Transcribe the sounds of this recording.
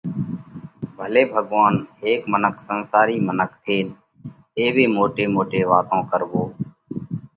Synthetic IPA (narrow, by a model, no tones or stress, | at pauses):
bʱəleːbʱəɠʋaːnɦeːkmənəkʰsənsaːɾiːmənəkʰt̪ʰeːl | eːʋeːmoːʈeːmoːʈeːʋa̰ːt̪õːkəɾboː